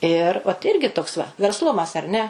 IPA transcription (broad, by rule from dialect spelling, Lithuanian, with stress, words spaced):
ɪr oːt ˈɪrʲɡʲɪ toːks ʋɐ ʋʲɛrsˈlˠʊmɐs ɐr nʲɛ